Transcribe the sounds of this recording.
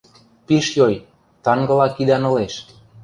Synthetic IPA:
piʃjoj | t̪ɑŋɡɤ̆lɑkid̪ɑnɤ̆leʃ

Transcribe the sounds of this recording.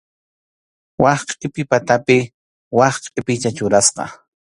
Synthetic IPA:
wɑχqʼɪpɪpat̪apɪ | wɑχqʼɪpɪt͡ʃ̪at͡ʃʊɾasqɑ̰

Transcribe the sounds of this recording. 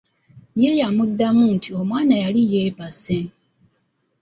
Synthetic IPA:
jejamudːamun̩tʰiomwaːnajalijebase

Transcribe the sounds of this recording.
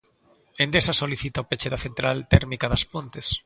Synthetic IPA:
ẽnd̪esasoliθit̪aopet͡ʃeðaθent̪ɾalt̪ɛɾmikaðɐspont̪es

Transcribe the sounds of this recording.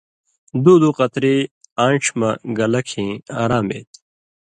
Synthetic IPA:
d̪uːd̪uqɐt̪ɾiaːɳʈ͡ʂʰmɐɡɐlɐkʰĩːaːɾaːmḛːt̪

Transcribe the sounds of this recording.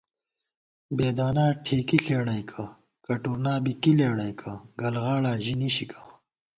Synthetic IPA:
beːd̪aːnaːʈʰeːkiɬeːɽajkʰa | kɐʈuɾnaːbikileːɽɐjkʰaɡɐlɣaːɽaːʑiniɕikʰḁː

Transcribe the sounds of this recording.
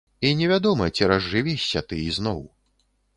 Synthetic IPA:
inʲɛvʲad̪ɔmɐt͡sʲiɾɐzʐɨvʲɛɕʲːɐt̪ɨiznɔw

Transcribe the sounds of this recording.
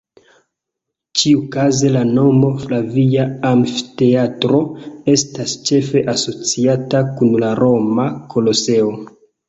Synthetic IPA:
t͡ʃiukaze̞lano̞mo̞flaviaamfte̞atɾo̞e̞stast͡ʃe̞fe̞ʔaso̞t͡siatakunlaɾʔo̞makʰo̞lo̞se̞o̞

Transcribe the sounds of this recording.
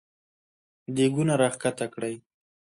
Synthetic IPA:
d̪eɡunaɾaχkat̪akɽəj

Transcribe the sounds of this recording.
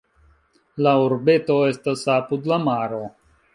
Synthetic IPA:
laoɾbe̞to̞e̞stasapud̪lamaɾo̞

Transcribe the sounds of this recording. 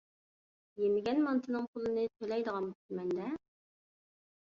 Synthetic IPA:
jemɪɡʲɛnmɑnt̪ʰɨnɨŋpʰʊlˠɨnɨt̪ʰølɛjd̪əʁɑnbuɪmɛnd̪ɛ

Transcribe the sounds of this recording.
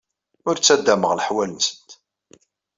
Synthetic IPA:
ʊɾt͡sːæd̪ːæməʁləħwælənsə̥nt̪

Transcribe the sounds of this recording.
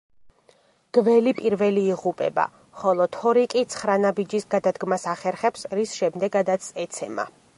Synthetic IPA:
ɡ̥vɛlipʼiɾvɛliːʁupʼɛ̰ba̰ | χɔlˠɔt̪ʰɔɾikʼit̪sʰχɾanabid͡ʒisɡad̪ad̪ɡmasaχɛɾχɛpsɾisʃɛmd̪ɛɡad̪at̪sɛt̪sʰɛma̰

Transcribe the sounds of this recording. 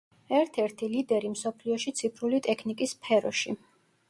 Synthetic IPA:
ɛɾt̪ʰɛɾt̪ʰilid̪ɛɾimsɔpʰliɔʃit̪sʰipʰɾulit̪ʼɛkʰnikʼispʰɛɾɔʃi

